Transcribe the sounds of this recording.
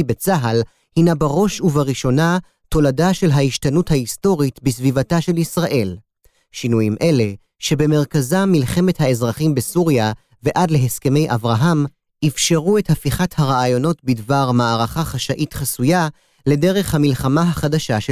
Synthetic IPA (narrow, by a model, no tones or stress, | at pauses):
bet͡saɦal | hinabaʁo̞ʃuvaʁiʃo̞na | to̞ladaʃe̞lɦaiʃtanuthaisto̞ʁitbisvivataʃe̞lisʁaʔe̞l | ʃinujimʔe̞le̞ | ʃe̞be̞me̞ʁkazamilχe̞methae̞zʁaχimbesuʁja | ve̞ʔadle̞ɦeske̞me̞jʔa̰vʁaɦam | ifʃe̞ʁue̞thafiχathaʁaːjo̞no̞tbidvaʁmaːʁaχaχaʃaʔitχasuja | le̞de̞ʁe̞χhamilχamaɦaχadaʃaʃ